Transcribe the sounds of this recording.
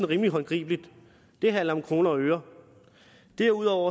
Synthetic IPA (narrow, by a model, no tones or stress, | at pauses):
n̩ʁiːmliɦɒ̽nɡ̥ʁḭːb̥lid̥ | d̥e̝ɦælɐmkʰʁo̝ːnɐɒ̽øːɐ | d̥eɐuðˠɒʊ̰ɐ